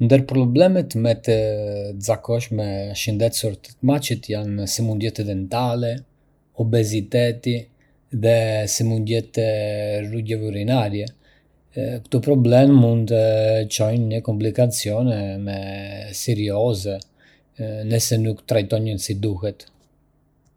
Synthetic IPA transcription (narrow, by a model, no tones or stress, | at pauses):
nd̪əɾpɾɔblɛmɛt̪mɛt̪əzakɔʃmɛʃənd̪ɛt̪suɾt̪ə̥t̪mat͡ʃit̪jansimund̪jɛt̪ɛd̪ɛnt̪alɛ | ɔbɛzit̪ɛt̪i | ðɛsimund̪jɛt̪ɛruɟɛvuɾinaɾjɛ | kt̪upɾɔblɛmːund̪t̪ət͡ʃɔjnɲəkɔmplikat͡siɔnɛmɛsɛɾiɔzɛ | nəsɛnukt̪ɾajt̪ɔɲənsid̪uhɛt̪